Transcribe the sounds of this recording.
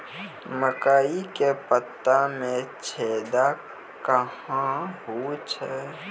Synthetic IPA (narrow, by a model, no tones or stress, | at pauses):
məkaːikepət̪ːamẽt͡ʃʰeːd̪a | kəhãɦut͡ʃʰɛ